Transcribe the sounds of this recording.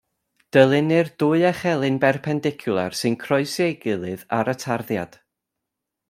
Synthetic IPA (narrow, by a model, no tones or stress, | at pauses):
d̥əlˠɪnɨrdʊɨɛχɛlˠɨnbɛrpʰɛndɪkʰjʊlˠa̰rsɨnkʰrɔɨseɡɨlˠɨðaɾətʰarðja̰d̥